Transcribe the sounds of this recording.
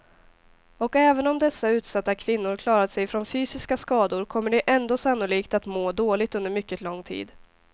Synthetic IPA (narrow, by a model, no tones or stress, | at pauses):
ɔkɛːvənɔmd̪ɛsːaʉ̟ːt̪sat̪ːakʰvɪnːʊɾkʰlɑːɾad̪sɛjfɾonfyːsɪskaskɑːd̪ʊɾkʰɔmːəɖɛʔɛnd̪oːsanːʊliːkt̪at̪moːd̪oːlɪt̪ɵnd̪əɾmʏkːət̪lɔŋːt̪ʰḭːd̪